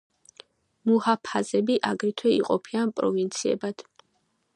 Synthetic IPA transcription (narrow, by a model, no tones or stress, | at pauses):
muhapʰazɛbiʔaɡɾit̪ʰwɛḭqʼɔpʰianpʼɾɔ̰vint̪sʰiɛ̰bad̪̥